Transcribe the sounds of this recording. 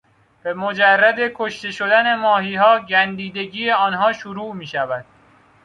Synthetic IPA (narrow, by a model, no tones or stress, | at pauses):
b̥e̞mod͡ʒærːæd̪e̞kʰoʃt̪e̞ʃod̪æne̞mɒːhiːɦɒːɟænd̪iːd̪e̞ɟiːeɒːnɦɒːʃuɾuːmiːʃævæd̪̥̚